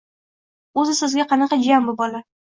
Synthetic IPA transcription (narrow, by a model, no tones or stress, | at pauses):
ɵzɪsɪzɡʲaqʰɑnɑqɑd͡ʒambʊbɒla